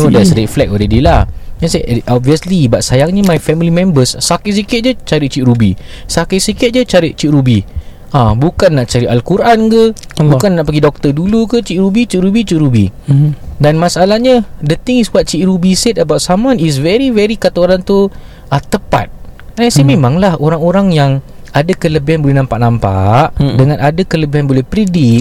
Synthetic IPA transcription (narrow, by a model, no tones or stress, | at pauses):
nodɛtsɾɛflɛk̚oɾedilaasaʔɔp̚viəslibaʔsajaŋɲəmajfɛmilimɛ̃mbəsːakiʔs̬ikɪt̪̚d͡ʒət͡ʃaɾiʔt͡ʃiʔɾubḭsakiʔsikɪt̪̚d͡ʒət͡ʃaɾiʔ̚t͡ʃiʔɾubi | ʔãbukanːaʔt͡ʃaɾiʔalkuɾʔankəbukanːaʔpaɡidɔk̚t̪ədulukət͡ʃiʔɾubit͡ʃiʔɾubit͡ʃiʔɾubḭ | danmasalahɲədət̪iŋisbuat̪̚t͡ʃiʔɾubisɛt̪̚əbawt̪samanis̬vɛɾivɛɾikat̪aoɾaŋt̪u | ʔat̪əpa̰t̪̚ɛnsimẽmaŋlahoɾaŋoɾaŋjaŋ | adakələbiɦanbolɛhnãmpaʔnampa̰ʔdəŋãnadakələbiɦanbolɛhpɾidik̚